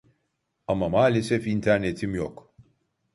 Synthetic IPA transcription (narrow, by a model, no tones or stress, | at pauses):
ɐmːɐmaːlɛsɛfiint̪ʰɛɾnɛt̪ʰimjɔkː